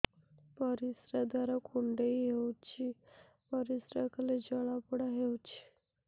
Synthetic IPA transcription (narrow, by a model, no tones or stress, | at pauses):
pəɾisɾad̪aɾakʰuɳɖeiɦewt͡ɕi | pəɾisɾakəled͡ʑəɭapəɽaɦewt͡ɕi̥